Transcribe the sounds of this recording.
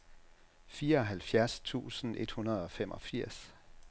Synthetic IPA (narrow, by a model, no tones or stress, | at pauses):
fiːɐɒ̽ɦælfjæɐst͡sʰṵːsn̩e̝d̥hunɐð̞ˠɒ̽femʔɒ̽fiɐ̰s